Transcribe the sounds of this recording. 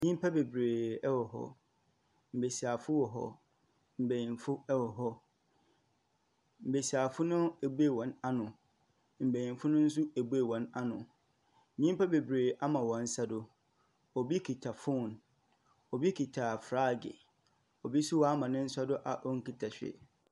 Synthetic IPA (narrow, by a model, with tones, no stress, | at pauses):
ɲĩ˦m˦pʰa˦be˨bɾeː˨ɛ˦wɔ˨ɦɔ̰˦ | m̩˨be˨si˨a˨fʊ˦wɔ˨ɦɔ̰˦ | m̩˨be˨jĩ˨nfʊ˦ɛ˦wɔ˨ɦɔ˦ | m̩˨be˨si˨a˨fʊ˦nʊ̃˦æ˨bu˦e˨wɔ̃˨˦na˦nʊ̃˨ | m̩˨be˨jĩ˨n˨fʊ˦nʊ̃˦n̩˦s̬ʊ˦æ˨bu˦e˨wɔ̃˨na˦nʊ̃˨ | nĩ˦m̩˦pa˦be˨bɾeː˨ʔa˦mã˨wɔ̃˨n̩˦sa˦dʊ˨ | ɔ˨bi˦kʰi˨tʰa˨fʊ̃˦˨n | ɔ˨bi˦kʰi˨tʰa˨fɾa˦ɡɪ̰˨ | ɔ˨bi˦su˦wɔ˨˦a˦mã˨nɪ̃˦n̩˦sa˦dʊ˦ʔa̰˨ʔɔ˦ŋ̩˦ki˨tʰa˨ɕᶣḛ˨